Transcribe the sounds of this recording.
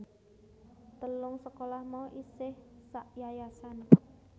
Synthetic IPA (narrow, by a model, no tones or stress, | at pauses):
t̪əlʊŋsəkolahmɔʔisɪhsaʔjajasan